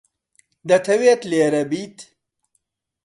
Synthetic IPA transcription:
d̪ɐt̪ʰɐweːt̪leːɾɐbiːt̪

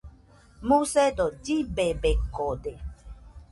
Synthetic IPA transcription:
mũsed̪od͡ʒibebekod̪e

